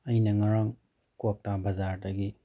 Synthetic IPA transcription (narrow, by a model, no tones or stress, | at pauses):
ɐjnɐŋaɾaŋ | kok̚tabɐzaɾdɐɡi